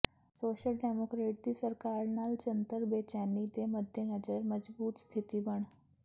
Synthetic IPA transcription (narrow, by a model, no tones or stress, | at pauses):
soɕəlɖemokɾeʈ̚d̪iːsəɾkaɾnald͡ʑənt̪əɾbet͡ɕanid̪eməd̪ʱjenəd͡zəɾməd͡zbuːt̪st̪ʰit̪iːbəɳ